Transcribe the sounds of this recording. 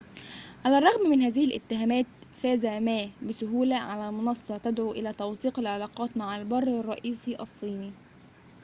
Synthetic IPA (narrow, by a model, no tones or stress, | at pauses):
ʕalærˤːɑɣmmɪnɦæːzɪhɪlʔɪ̰t̪ːɪɦæːmæːt̪fæːzæmæːbɪsʊɦuːlæʕalæːmʊnɑsˤːɑt̪æd̪ʕuːʔɪlæːt̪ɑwθiːqɪlʕalɑːqɑːt̪maʕalbɑrˤːrˤːɑʔiːsiʔɑsˤːiːni